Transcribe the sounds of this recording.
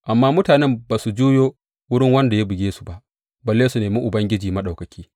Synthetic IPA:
ʔa˨mːaː˦mʊ˦taː˨nɛ˦mbaː˨su˨d͡ʒuː˦joː˦ | wʊ˦ɽɪ˦ŋwɐ˦nda˨ja˦bɪ˨ɡʲeː˦su̥˨ba˨ʔ | bɐ˨lːeː˦su˨neː˨mɪ˦ŋʔʊ˨bɐ˦ŋɡʲɪ˦d͡ʒiː˨mɐ˦ɗa˨wkɐ˨kʲiː˦

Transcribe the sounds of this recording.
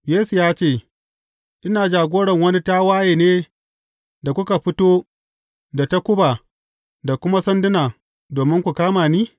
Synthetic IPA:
jeː˦su˨jaː˦t͡ʃeː˦˨ | ʔɪ˦naː˨d͡ʒaː˨ɡʷoː˦ɽɐ˨ŋwɐ˦ni˦ta˦waː˦jeː˨neː˦ | da˨kʷʊ˦ka˨ɸɪ˦toː˦ | da˨ta˦kʷʊ˦baː˨ | da˨kʷʊ˦ma˦sɐ˦ndɪ˦naː˨ | doː˨mɪ˦ŋkʷu˨kaː˦maː˨niː˦

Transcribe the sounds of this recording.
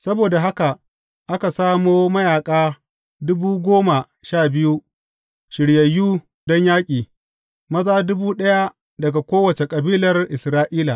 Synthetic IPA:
sɐ˦boː˨da˨ɦa˦ka˨ | ʔa˦ka˨saː˦moː˦mɐ˦jaː˨kʼaː˦ | dʊ˦buː˦ɡʷoː˦ma˨ | ʃaː˦˨bɪ˦ju˦ | ʃɪ˨ɽje˨jːuː˦ | dɔ˦ɲjaː˦kʲʼiː˨ | mɐ˦zaː˦dʊ˦buː˦ɗɐ˦ja˦ | dɐ˨ɡa˨kʷoː˦wɐ˨t͡ʃe˨kʼɐ˨biː˦lɐ˨rʔɪ˨sɾaː˦ʔiː˦la˨

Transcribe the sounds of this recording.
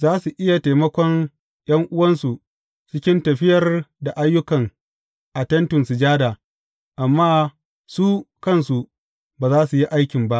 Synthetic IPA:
zaː˦su˨ʔɪ˦ja˨ta˨mɐ˦kʷɔ˦n | j̰ɐ˦ŋʔʊ˦wɐ˦nsu˨ | t͡ʃɪ˦kʲɪ˦ntɐ˨ɸɪ˦jɐ˨rda˨ʔa˦jːʊ˦kɐ˨ŋ | ʔa˨tɐ˦ntʊ˨nsʊ˨d͡ʒaː˦daː˨ | ʔa˨mːaː˦ | su˦kɐ˦nsu˨ | baː˨zaː˦su˨ji˦ʔa˦jkʲɪ˨mba˦ʔ

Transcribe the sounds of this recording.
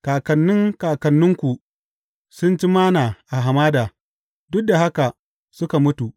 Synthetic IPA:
kaː˨kɐ˨nːɪ˦ŋkaː˨kɐ˨nːʊ˦ŋkʷu˨ʔ | sʊ˦nt͡ʃi˦maː˦naː˨ʔa˨ɦa˨maː˦daː˨ | dʊ˦k̚da˨ha˦ka˨ | sʊ˦ka˨mʊ˦tu˨ʔ

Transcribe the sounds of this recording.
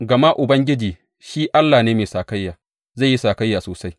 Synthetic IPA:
ɡɐ˨ma˦ʔʊ˨bɐ˦ŋɡʲɪ˦d͡ʒiː˨ | ʃiː˦ʔa˦lːaː˨neː˦meː˨saː˨ka˦jːaː˨ | za˦˨jːi˦saː˨ka˦jːaː˨soː˨sa˦j

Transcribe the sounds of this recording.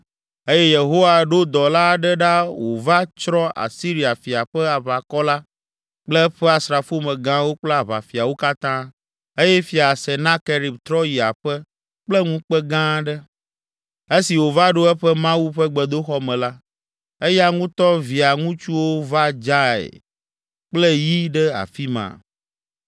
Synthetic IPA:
e˦jɛ˦je˨ɦo˦wa˨ɖo˦d̪ɔ˨la˦ɖɛ˦ɖa˦wo˨va˦t͡ʃɾɔ˦ʔa̰˨si˦ɾi˨a˨fi˨a˨ɸɛ˦a˨βa˨kɔ˦la˦ | k͡plɛ˦ɸɛ˦a˨sɾa˨fu˦mɛ̃˨ɡã˦wo˦k͡plɛ˦a˨βa̰˨fi˨a˨wo˦ka˦t̪ã˦ | e˦jɛ˦fi˨a˨sɛ˨nã˦ke˨ɾi˨bt̪ɾɔ˦ji˨a˨ɸɛ˦ | k͡plɛ˦ŋũ˦k͡pɛ˦ɡã˦ɖɛ˦ | e˦si˨wo˨va˦ɖo˦ɛ˦ɸɛ˦mã˦wu˦ɸɛ˦ɡ͡bɛ˨d̪o˦xɔ˦mɛ̃˨la˦ | e˦ja˦ŋũ˦t̪ɔ˦vi˨a˨ŋũ˦t͡ʃu˦wo˦va˦d͡ʒa˦ɛ̰˨ | k͡plɛ˦ji˦ɖɛ˦a̰˨fi˦mã̰˨

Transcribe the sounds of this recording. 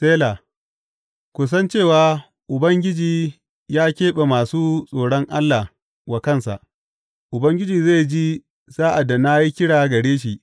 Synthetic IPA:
seː˦la˨ | kʷʊ˨s̬ɐ˦nt͡ʃeː˦˨waː˨ | ʔʊ˨bɐ˦ŋɡʲɪ˦d͡ʒiː˨ | jaː˦kʲeː˦ɓe˨maː˨suː˦sʼoː˨ɽɔ˦ŋʔa˦lːa˨ | wa˨kɐ˦nsa̰˨ʔ | ʔʊ˨bɐ˦ŋɡʲɪ˦d͡ʒiː˨ze˦˨d͡ʒi˦ | zaː˦ʔa˨da˨na˦ji˦kʲɪ˦ɽaː˨ɡɐ˨ɽeː˦ʃ̬i˨ʔ

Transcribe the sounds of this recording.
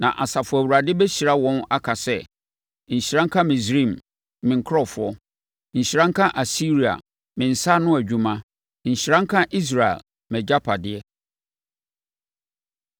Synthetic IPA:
nã̰˨ʔa˨sa˨fʊ˨æ˨wu˨ɾa˨dɪ˦bɛ˦ɕi˨ɾa˦wɔ̃˦na˦kʰa˨sɛ˦ | ɲ̩˨ɕi˨ɾã˦ŋ̩˦kʰã˦mɪ̃˨sɾĩ˦˨m | mɪ̃˨ŋ˨kʰɾɔ˦fʊ˨ɔ˦ | ɲ̩˨ɕɾã˦ŋ̩˦kʰã˦ʔa˨si˦ɾi˨a̰˨ | mɪ̃˨n̩˨sa˦nʊ̃˦æ˨d͡ʑᶣu˨mã˦ | ɲ̩˨ɕi˨ɾã˦ŋ̩˦kʰã˦ʔi˦s̬ɾa˨ɛ̰˨l | mɛ˨d͡ʑa˦pʰa˨dɪ˨ɛ˦

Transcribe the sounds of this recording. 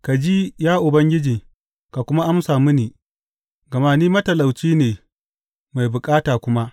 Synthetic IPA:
ka˨d͡ʒi˦jaː˦ʔʊ˨bɐ˦ŋɡʲɪ˦d͡ʒi˨ | ka˨kʷʊ˦ma˦ʔa˦msaː˨mʊ˦niː˨ | ɡɐ˨maː˦niː˦mɐ˦tɐ˨la˨wt͡ʃiː˦neː˨ | ma˨jbʊ˨kʼaː˦taː˨kʷʊ˦ma˦ʔ

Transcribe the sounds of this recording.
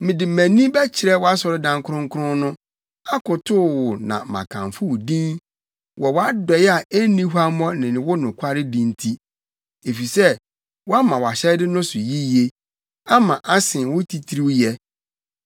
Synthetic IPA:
mɪ̃˨dɪ˨mæ̃˨nĩ˦bɛ˦t͡ɕʰɪ˨ɾɛ˦wɔ˦a˦sɔ˨ɾɪ˦dã˨ŋ˦kʰʊ˦ɾʊ̃˦ŋ˦kʰʊ˦ɾʊ̃˦nʊ̃˦ | a˦kʊ˨tʰʊ˦˨wʊ˨nã̰˨mã̰˨kʰã̰˨ɱfʊ˦˨dĩ˦n | wɔ˨wɔ˦a˦dɔ˨jɛ˦a˨e˦nĩ˦ɦu˦a˦mɔ̃˦nɪ̃˨nɪ̃˨wʊ˦nʊ̃˨kʷʰa˦ɾɪ˦dĩ˦n˦tʰi˦ | e˨fi˨sɛ˦ | wɔ˦a˦mã˨wɔ˨a˨ɕɛ˦dɪ˦nʊ̃˦sʊ˨ji˦je˦ | a˦mã˨ʔa˦sɪ̃˨n˨wʊ˦tʰi˨tʰɾi˦wjɛ˦

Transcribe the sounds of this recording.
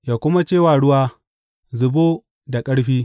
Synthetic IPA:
jaː˨kʷʊ˦ma˦t͡ʃeː˦˨waː˨ɽʊ˦waː˦ | zʊ˨boː˦ | da˨kʼɐ˦ɽɸiː˦

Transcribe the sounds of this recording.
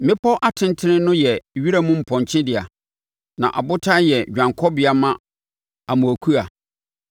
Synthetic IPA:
mɪ̃˦pʰɔ˦ʔa˦tʰɪ̃˦ntʰɪ˦nɪ̃˦nʊ̃˦jɛ˨ɥi˦ɾa˦mũ˦m̩˨pʰɔ̃˨ɲ˨t͡ɕʰɪ̃˦dɪ˨a̰˨ | nã̰˨ʔa˨bʊ˦tʰa˦jɛ˨d͡ʑᶣã˨ŋkʰɔ˦bɪ˨a˨mã˦ | a˨mũ˨æ˨kʰu˦a˨

